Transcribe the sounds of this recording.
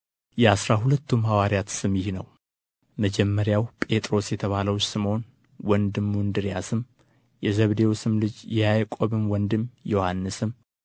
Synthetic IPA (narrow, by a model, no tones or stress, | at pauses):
jɛasɾaɦulət̪ʰːumhawaɾjat̪sɨmɪhnəw | məd͡ʒɛmːəɾjawpʼe̞t̪ʼɾo̞sjɛt̪ʰəβaləwt͡ʃsɨmon | wɔnd̪ɨmːund̪ɨɾjasɨm | jɛzəβd̪e̞wusɨmlɨd͡ʒjɛhajkʷʼoβɨmwɔnd̪ɨmjo̞hanːɨsɨm